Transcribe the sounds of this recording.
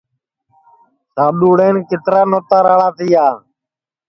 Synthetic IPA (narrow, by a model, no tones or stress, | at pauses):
saːɗuːɽeːnkɪt̪ɾaːnoːt̪aːɾaːɽaːt̪iːaː